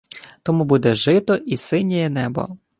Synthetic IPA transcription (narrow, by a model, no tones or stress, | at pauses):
t̪ɔmubud̪ɛʒɪt̪ɔʔisɪnʲːɛjɛnɛbɔ̰